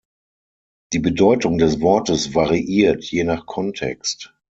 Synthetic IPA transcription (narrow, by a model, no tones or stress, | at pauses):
d̥iːbədɔʏtʊŋdɛsv̥ɔɐtəsvaʁiʔiːɐtʰjeːnaχkʰɔntʰɛ̰kst